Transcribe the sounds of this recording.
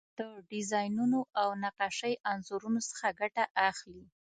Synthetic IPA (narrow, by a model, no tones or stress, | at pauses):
d̪̥əɖɪzɑjnunoʔawnaqɑʃəjʔanzoɾunosə̥xaɡaʈaʔaxli